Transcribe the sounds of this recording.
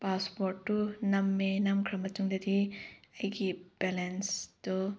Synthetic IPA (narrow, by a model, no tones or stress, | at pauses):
paspoɾtːunɐmːenɐmkʰɾɐmːɐtuŋdɐdiɐjɡibelensd̥ɔ